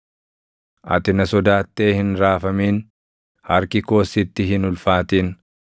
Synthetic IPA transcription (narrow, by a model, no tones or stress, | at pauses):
ʔɐ̰t̪ɪnɐsɔd̪aːt̪ːeːhɪnɾaːfɐmiːn | hɐɾkɪko̞ːsɪt̪ːɪɦɪnʊlfaːt̪iːn